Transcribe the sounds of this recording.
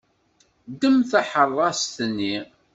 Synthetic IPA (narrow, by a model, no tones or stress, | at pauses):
d̪əmθaħərˤːɑst̪ənːi